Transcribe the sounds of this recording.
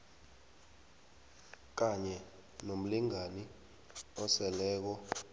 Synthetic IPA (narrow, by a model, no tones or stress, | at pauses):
k̬aɲɛ | nom̩liŋani | ɔsɛlɛːk̬ɔ